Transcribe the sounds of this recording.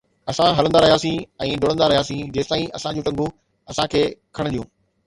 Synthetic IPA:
ɐsãɦɐlə̃nd̪aɾɐɦijaːsĩɛ̃ːɖoːɽə̃nd̪aɾɐɦijaːsĩd͡ʑeːst̪aːĩʔɐsãd͡ʑũːʈɐ̃ŋɡʱu | ɐsãkʰeːkʰɐɽ̃ɗ̪ijṵ̃ː

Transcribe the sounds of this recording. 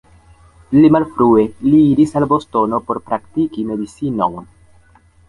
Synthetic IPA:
limalfɾue̞liiɾisalbo̞sto̞no̞po̞ɾpɾaktikime̞dit͡sino̰wn

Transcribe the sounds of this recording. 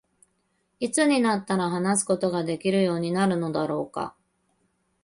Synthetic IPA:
it͡sɨɲ̟inat̪ːaɾaɦanas̬ɨ̥ko̞t̪o̞ɡad̪e̞kʲiɾɯ̟jo̞ːɲ̟inaɾɯ̟no̞d̪aɾo̞ːka̰

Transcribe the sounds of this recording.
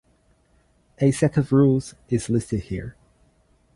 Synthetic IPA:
ɨsɛɾəvɹuːlˠz̥ | ɪz̥lɪstɪd̥̚hḭɹ

